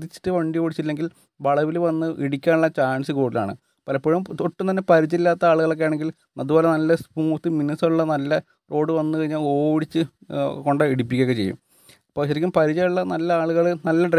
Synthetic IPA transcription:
ðit͡ɕːi̥tːɨʋɐɳɖio̞ːɽit͡ɕːitilːe̞ŋɡil | ʋɐɭɐʋilʋɐnːɨʔiɽikʲːaːnuɭːɐt͡ɕaːnsɨko̞ːɽila̰ːɳɨ̰ | pɐlɐpːoːɻumt̪oʈːumt̪ɐnːe̞pɐɾit͡ɕːilːaːt̪ːɐaːɭuɣɐɭo̞kːejaːɳeŋɡil | ɐðubo̞ːlenɐlːɐspumut̪ːiminusɐuɭːɐnɐlːɐ | ro̞ːɽɨʋɐnːɨkɐɻiɲːaːlo̞ːʋiɽit͡ɕːɨko̞ɳɖɐiɽip̬ːikʲːeːɣɐt͡ɕe̞jːṵm | ɐpːoːɕɐɾikʲːumpɐɾit͡ɕɐjuɭːɐnɐlːɐaːɭuɣɐɭnɐlːɐɖr

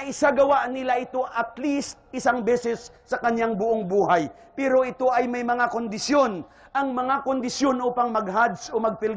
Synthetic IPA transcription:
ɪsaɡɐwaʔnɪlaʔɪt̪o̞ʔɐt̪list̪̚ɪsaŋbɛsɛsːɐkɐnjaŋbʊʔoŋbuːhaj | pɛɾo̞ʔɪt̪o̞ʔɐjmɐjmɐŋakond̪ɪsjon | ʔɐŋmɐŋakond̪ɪʃjonʔopɐŋmɐɡ̚ɦad̪sʔomɐɡ̚pɪl

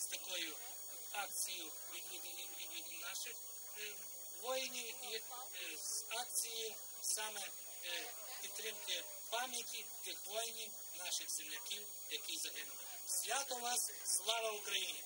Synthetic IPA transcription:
st̪ɐkɔjʊ | ɑkt͡sʲijʊ | ʋʲiiii | nɑʃɪx | ʋɔjnʲii | zɑk̚t͡sʲiji | sɑmɛ | pʲid̪̚t̪ːɾɪmkɪ | pɑmʲjɐtʲit̪ɪxʋɔjnʲi | nɑʃɪxzemlʲɐkʲiw | jɐkijzɐɦɪnʊlˠɪ | sʲʋʲat̪ɔnɑsslˠɑʋɐʊkɾɐjinʲɪ

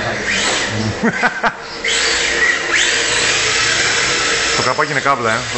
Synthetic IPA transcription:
t̪okɾɐpɐcinekɐplɐe

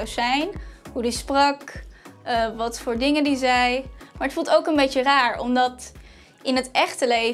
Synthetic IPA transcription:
wzɛjnɦudisprɑk | ʋɑtfʊːɹdɪŋəndizɛjmaːɹətfulˠtowkənbejtəraːɹɔ̰mdɑt | ɪnɦətɛχtəlej

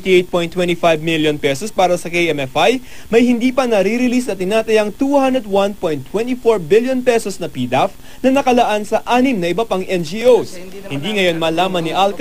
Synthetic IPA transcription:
t̪iejt̪̚po̞jnt̪wɛ̃nt̪ifajbmiljonpɛsospaːɾɐsɐkejɛmɛfaj | mɐjhɪnd̪iːpɐnɐɾiɾɪlisnɐt̪ɪnaːt̪ɐjɐŋt̪uhand̪ɾɛd̪̚wɐnpojnt̪ːwɛnt̪ifoɹbiljonpɛsosnɐpiːd̪af | nɐnɐkɐlɐʔansɐʔaːnɪmnɐʔɪbɐpaŋʔɛnd͡ʒiʔows | hɪnd̪iːŋɐjo̞nmɐːlaːmɐnːiʔalk

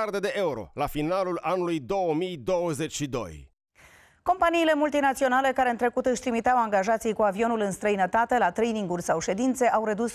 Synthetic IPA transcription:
ard̪e̞d̪e̞ʔe̞uɾo̞̰lafinalulanulujd̪o̞wəmijd̪o̞wəze̞t͡ʃʃid̪o̞̰j | ko̞mpaniːle̞mult̪inat̪sio̞nale̞kaɾe̞ɨnt̪ɾe̞kut̪ɨʃʲt̪ɾimit̪eawaŋɡaʒat̪sijkuavio̞nulɨnst̪ɾəinət̪at̪e̞lat̪ɾejniŋɡulʲsawʃe̞d̪int̪se̞ʔawɾe̞d̪us

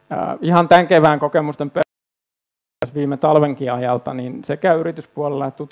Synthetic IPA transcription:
ihɑnt̪æŋkeʋæːŋkokemust̪empe | sʋiːmet̪ɑlʋeŋkiɑjɑlt̪ɑ̰ninsekæyyrit̪yspuɑlelːeet̪t̪ut̪

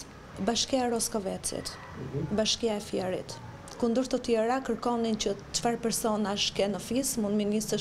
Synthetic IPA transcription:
baʃkiaɛɾɔskɔvɛt͡sḭt̪ | baʃkiaɛfjɛɾḭt̪ | kund̪əɾt̪ət̪jɛɾakəɾkɔnincət͡ʃfaɾpɛɾsɔnaʃkɛnəfismund̪minist̪ə

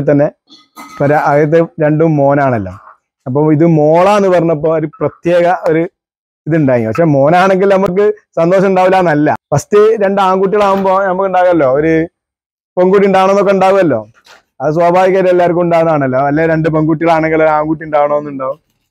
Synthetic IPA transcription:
t̪̬ːɐnːe̞ | pɐɾɐɣɐɾɐt̪̬ːeɾe̞ɳɖumːo̞ːnaːɳɐlːo̰ | ɐp̬ːoːiðɨmoːɭaenːɨpɐrɐɲːɐp̬ːo̞ːoɾuprɐt̪jeːɣɐʔo̞ɾu | iðɨuɳɖaːjiŋɡḭmpɐkʂeːmo̞ːnaːɳe̞ŋɡilnɐmuk̬ːɨsɐnd̪o̞ːɕ̬ɐmuɳɖaːʋilaːnɐlːɐ̰pɐst̪iɾe̞ɳɖɨaːŋɡuːʈ̬ːiɣɐɭaːumboːnɐmukːuɳɖaːɣuɐlːo̞ːoɾu | peŋɡuːʈ̬ːiuɳɖaːʋɐɳonːokːeuɳɖaːɣumɐlːo̞̰ː | ɐðɨs̬waːbʱaːʋiɣɐɾɐelːaːɾkːumuɳɖaːʋunaːɳɐlːoːɐlːeɾe̞ɳɖɨp̬eŋɡuːʈ̬ːiɣɐɭaːɳeŋɡiloɾaːŋɡuːʈ̬ːiuɳɖaːʋɐɳoːenːuɳɖaːʋum

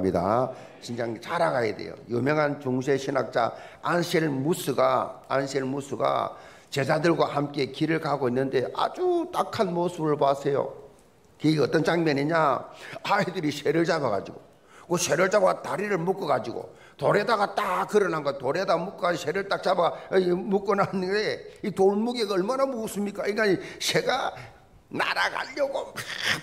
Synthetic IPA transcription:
mida̰ | t͡ɕind͡ʑaŋt͡ɕaɾaɡajede̞̰jo̰jɯmjʌŋɦant͡ɕoŋɕʰeɕʰinak̚t͡ɕ͈a̰anɕʰiɭmusʰuɡaanɕʰiɭmusʰuɡa̰ | t͡ɕe̞s̬ʰadɯɭɡwahamk͈e̞kiɾɯɭkaɡoinːɯnde̞ʔa̰d͡ʑut͈akʰanmosʰɯbɯɭpasʰe̞jo̰ | kiɡeʌt͈ʌnt͡ɕaŋmʌniɲaaidɯɾiɕʰeɾɯɭt͡ɕabaɡa̰d͡ʑiɡo̰ | k͈oɕʰe̞ɾɯɭt͡ɕabataɾiɾɯɭmuk͈ʌɡad͡ʑiɡo̰ | toɾe̞daɡat͈akɯɾʌnɦaŋɡatoɾedamuk͈ʌɡad͡ʑɕʰeɾɯɭt͈ak̚t͡ɕ͈abamuk͈ʌnanːdeitoɭmuɡeɡʌɭmanamusɯmɲik͈aiŋɡanɕe̞ɡa | na̰ɾaɡa̰ʎːʌɡo

